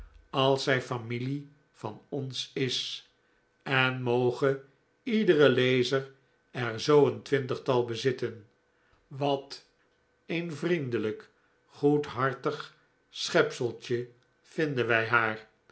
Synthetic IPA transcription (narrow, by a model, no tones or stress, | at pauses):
ɑlˠsɛjfamili | v̥ɑnɔnsɪs | ɛnmowχə | idəʁəlejzər | ɛɹzowəntʋɪntəχtɑlˠbəzɪtən | ʋɑt | envrindələk | χutɦɑɹtəχ | sχɛpsəlˠtə | v̥ɪndənʋɛjɦaːr